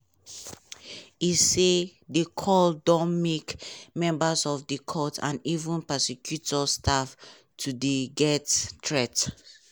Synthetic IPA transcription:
isedekʰɔldɔ̃mekmɛ̃mbasɔfdikʰɔtʰã̰nivũnpɛsikʰjutɔstʰaf | tʰudiɡɛtːɹɛt

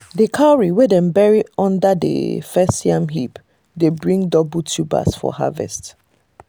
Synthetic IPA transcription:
dəkʰaɹiwedɛ̃nbɛɹiɔ̃ndadə̰fɛssiãmɦip | debɹĩŋdɔbutʰuba̰sfɔ̰ha̰vɛ̰st

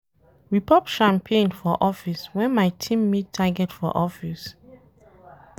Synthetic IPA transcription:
ɹipɔpʃãmpʰẽnfɔʔɔfiswɛ̃nmaɪtʰĩmːitʰːaɡɛtfɔ̰ʔɔfis

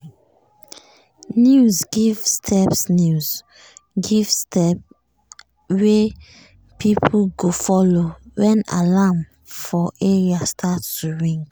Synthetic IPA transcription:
njuzɡivstʰɛpsnuz | ɡivstʰɛp | we | pʰipʰuɡofɔlowɛ̃na̰lam | fɔʔeɹiastʰatːuɹĩŋɡ

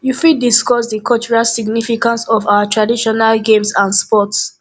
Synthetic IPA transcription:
jufidiskɔsdikʰɔt͡ʃɹiasiɡnifikãnsɔfaʊatʰɹadiʃɔnalɡẽmsãndspɔts

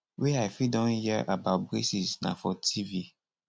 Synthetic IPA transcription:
wiaɪfidɔ̃nhɛʔabat̚bɾesisnã̰fɔtʰivi

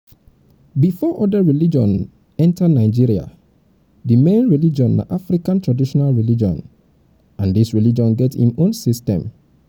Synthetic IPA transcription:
bifɔʔɔdəɹilid͡ʒɔ̰̃n | ɛ̃ntʰanaɪd͡ʒiɹia̰ | dimẽnɹilid͡ʒɔ̃nːa̰ʔafɹikãntʰɹadiʃɔnalɹilid͡ʒɔ̰̃n | ãndisɹilid͡ʒɔ̃nɡɛthḭ̃mõnsistɛ̰̃m

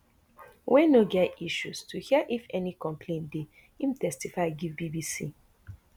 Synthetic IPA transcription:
wɛ̃noɡɛtiʃustʰuhiəʔifɛnikɔ̃mpʰlẽnde | im̩tɛstifaɪɡivbibisi

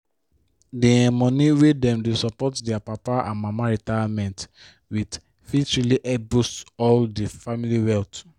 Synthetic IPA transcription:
deɛ̃mɔ̃niwedɛ̃mdesɔpɔtdɛapapaã̰nmãmaɹitajamɛ̃nt | wid | fitɹiliʔɛbosɔldefamiliwɛlt

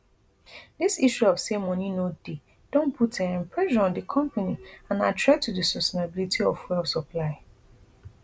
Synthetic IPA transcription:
disiʃuɔfsemɔ̃ninode | d̥õnpʰutɛ̃nɛ̃mpʰɹɛʃɔ̃nɔ̃ndəkʰɔ̃mpaniãnatʰɹɛtʰːudəsɔstenabilitʰiɔfwɛlsɔpʰlaɪ

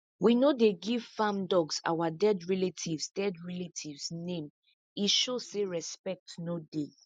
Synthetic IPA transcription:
winodeɡiv̥fãmdɔɡsa̰wadɛdɹɛletʰivsdɛdɹɛletʰivsnẽm | iʃozseɹɛspɛk̚tnode

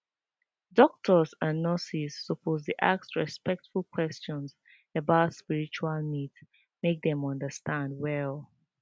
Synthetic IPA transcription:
dɔk̚tʰəzãnːəsisːəpʰozdəʔa̰k̚sɹispɛk̚tfulˠkʰwɛst͡ʃɔ̃ns | əbaʊtspiɹit͡ʃualˠnids | mek̚dɛ̃mɔ̃ndəstʰãndwɛlˠ

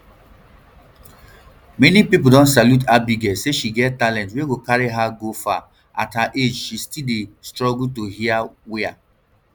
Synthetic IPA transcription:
mɛnipip̬udɔ̃nsaljut̬ʰabiɡɛseʃiɡɛttalɛ̃ntweɡokaɹiɦaɡofa | ʔa̰thaʔed͡ʒʃistildestɹɔɡultohiawɛa

